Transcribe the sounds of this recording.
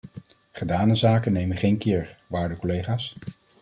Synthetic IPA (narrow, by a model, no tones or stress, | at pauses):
χədaːnəzaːkənːejmənχejnkɪːɹʋaːɹdəkɔlejχaːs